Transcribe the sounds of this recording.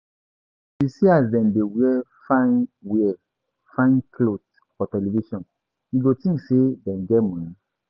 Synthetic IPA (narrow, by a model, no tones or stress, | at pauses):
disiazdɛ̃ndewiɛfãnwɛ | fãɪ̃nkʰlot | fɔtɛliviʃɔ̃n | jiɡotĩŋksedɛ̃nɡɛmɔ̃nĩ